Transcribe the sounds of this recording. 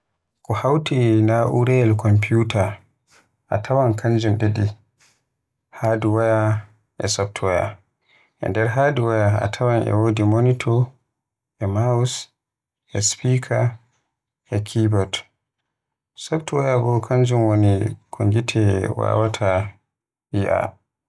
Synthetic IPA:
kɔhawtinaʔuɾɛlkɔmpiuta | ʔa̰tʰawankʰaɲd͡ʒumɗedi | hadiwaja | ʔɛ̰sɔb̚tʰwaja̰ | ʔɛ̰ndɛɾɦaːduwajaa̰tʰawanʔɛ̰wodimonitʰɔ | ʔɛmaus | ʔɛspikʰa | ʔɛkʰibɔd | sɔbtwajabɔkʰaɲd͡ʒumwonikʰoŋɡitʰɛwa̰watʰa | iʔa̰

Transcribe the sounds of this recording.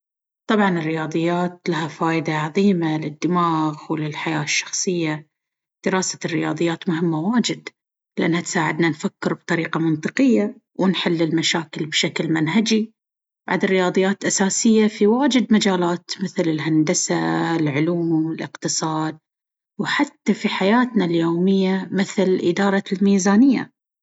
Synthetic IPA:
t̪ˤɑbʕɑnɪrːɪjɑːðˤɨjːaːt̪lahafaːʔɪd̪aʕɑðˤiːmalɪd̪ːɪmaːɣwlɪlħajaːʃːɑ̥xsˤɨjːa | d̪̥ɪɾaːsḁrːɪjɑ̰ːðˤɨjːaːt̪mʊɦɪmːawaːd͡ʒɪd̪ | llɪʔanːhat̪saːʕɪd̪nanfakːɪɾb̚t̪ˤɑɾiːqɑmɨnt̪ˤɨqɪjːa | wɪnħɪlːɪlmaʃaːkɪlbʃaklmanɦad͡ʒi | ba̰ʕd̪ɪrːɪjɑːðˤɨjːaːt̪ʔasaːsɪjːafiwaːd͡ʒɪd̪mad͡ʒaːlaːt̪mɪθlɪlɦand̪asalʕʊluːmmɪlʔɪ̰qt̪ɨsˤɑːd̪̚ | wħat̪ːafiħajaːt̪naljoːmɪjːamɪθlʔɪd̪ɑːɾˤɑlmiːzaːnɪjːa̰

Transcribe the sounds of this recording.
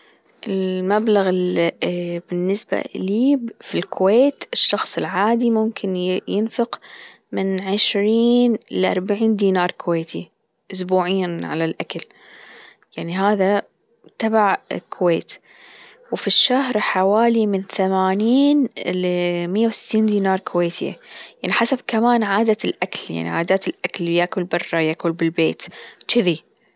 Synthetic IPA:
ʔɪlmablaɣɪl | bɪnːɪsba̰liːbfilkʰʊweːt̪ɪʃːɑxsˤɪlʕaːd̪imʊmkʰɪnjɪnfɪq | mɪnʕɪʃɾiːnlʔɑ̰ɾˤbaʕiːnd̪iːnɑːɾˤkʊweːt̪ʰi | ʔʊsbuːʕiːnʕalalʔakal | jaʕniɦaːða | t̪abaʕkʰʊweːt̪ | wfiʃːahɾħawaːlimɪnθamaːniːn | mɪjːawsɪ̥t̪ːiːnd̪iːnɑːɾˤkʰʊweːt̪ʰɪjaʕniħasabkamaːnʕaːd̪alʔaklja̰ʕnḭʕaːd̪aːt̪ɪlʔakaljakʊlbɑrˤːɑjakʊlbɪlbeːt̪t͡ʃɪði

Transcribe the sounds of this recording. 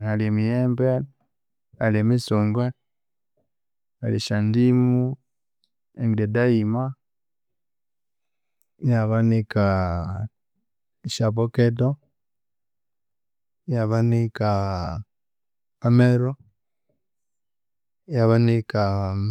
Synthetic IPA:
aliemijeːmbe | alemisuːŋɡwe | aliʃandimu | eŋɡiledaima | jaβanika | iʃapoketo | jaβanika | ameɾo | jaβanika

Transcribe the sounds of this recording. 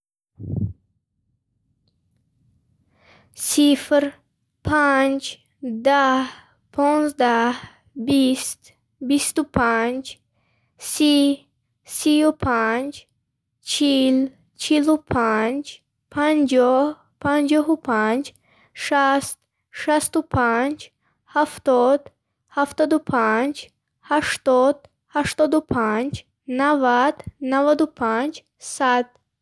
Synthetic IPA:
sifɾ | pʰand͡ʒ | d̪ah | pʰɔnzd̪ah | bist̪ | bist̪upʰand͡ʒ | si | siupʰand͡ʒ | t͡ʃʰil | t͡ʃʰilupʰand͡ʒ | pʰand͡ʒɔh | pʰand͡ʒɔɦupʰand͡ʒ | ʃast̪̚ | ʃast̪upʰand͡ʒ | haft̪ɔd̪ | haft̪ɔd̪upʰand͡ʒ | haʃt̪ɔd̪ | haʃt̪ɔd̪upʰand͡ʒ | navad̪navad̪upʰand͡ʒ | sad̪̥

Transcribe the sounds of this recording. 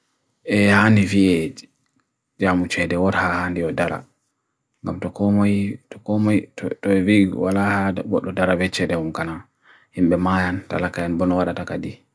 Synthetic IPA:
ʔɛhandiviɛd͡ʒ | d͡ʒamut͡ʃɛdɛwɔɾhahandiɔdaɾa̰ | ŋɡamtɔkɔmajtɔkɔmajtɔviwalahaɡɔ̰ɗːɔdaɾabɛt͡ʃɛdɛumkana | himɓɛmajanta̰lakajanbɔnɔwaɗatakadi

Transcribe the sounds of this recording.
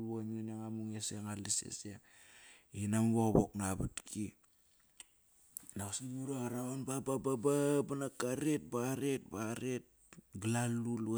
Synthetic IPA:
waɲunaŋamuŋeseŋalisḛse | inamβoɣβoknaβa̰tkʰi | naasinuɾaɣaɾaβanbababababanakaɾet̚baɾet̚baɾet̚ | ɡlalul

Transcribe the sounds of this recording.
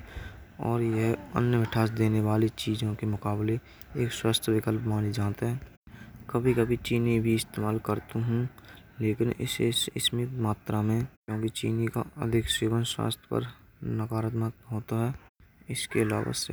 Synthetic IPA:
ɔ̰ːɾjeɦə̰njəʋɪʈʰaːsd̪eːneʋaːlit͡ʃiːd͡ʒõkemʊkaːble | eːkswaːst̪ʰəʋɪkəlpmaːnid͡ʒaːt̪eɦɛ̃ː | kəbʱikɐbʱit͡ʃiːnibʱiɪst̪eːmaːlkəɾt̪uɦũleːkɪnɪsesɪsmɪt̪maːt̪ɾamẽkjõːkit͡ʃḭːnika̰ə̰d̪ʱɪkseːʋənswa̰ːst̪ʰjə̥pə̰ɾ | nəkaːɾət̪mət̪ɦoːt̪aɦɛɪskeɐla̰ːʋa̰sḛ

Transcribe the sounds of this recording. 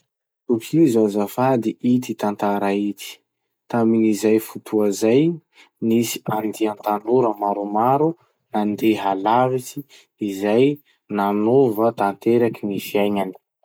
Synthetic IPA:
t̪ukʰizanzafad̪iʔit̪it̪ant̪aɾait̪i̥ | t̪aminizajfut̪ʰuazaj | nisi̥and̪eant̪anuɾəmaɾumaɾu | nand̪eɦalavit͡ʃiː | zaj | nanovət̪ant̪eɾakinifiajɲani̥

